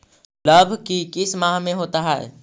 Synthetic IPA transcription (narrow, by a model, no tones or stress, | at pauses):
ləbʱkikɪsmãːɦmẽɦoːt̪aɦɛɛ̰